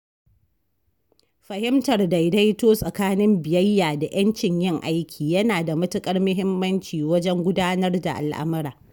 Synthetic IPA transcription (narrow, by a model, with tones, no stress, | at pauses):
ɸɐ˨hɪ˦mtɐ˨rda˨jda˦jtoː˦sʼɐ˨kaː˦nɪ˦mbɪ˨jɐ˦jːaː˨da˨j̰ɐ˦nt͡ʃɪ˨ɲjɪ˦ŋʔa˦jkʲʰiː˨jɐ˦naː˨da˨mʊ˦tʊ˦kʼɐ˦rmʊ˦ɦɪ˦mːɐ˦nt͡ʃiː˨wɐ˦d͡ʒɛ˦ŋɡʷʊ˦daː˦nɐ˦rda˨ʔa̰˨lʔa̰˦mɐ˦ɾaː˨